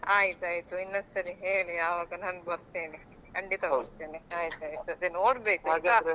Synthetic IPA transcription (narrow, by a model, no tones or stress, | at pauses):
aːjit̪uaːjit̪uinːɐk̪sɐɾiɦeːɭijaːʋaːɡɐnaːnbɐɾt̪eːni | kɐɳɖit̪ɐɡuɾt̪eːniaːjt̪uaːjit̪uɐd̪enoːɽbeːkaɡaɾ